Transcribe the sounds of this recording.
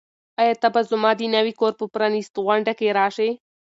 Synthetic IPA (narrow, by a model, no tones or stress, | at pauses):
ajat̪abazʊmɑːd̪inawikoːɾpəpɾɑnist̪ɣwaɳɖakeɾɑːʂe